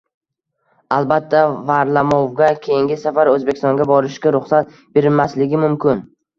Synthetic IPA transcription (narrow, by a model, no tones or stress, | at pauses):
alˠbat̪ʰːavaɾlamɒwɡʲakʲʰe̞jɪŋɡʲɪsafaɾɵzbekʲɪ̥st̪ɒŋɡʲabɒɾɪʃkʲaɾʊχsat̪̚ | be̞ɾɪmaslɪɡʲɪmʊmkʲɪn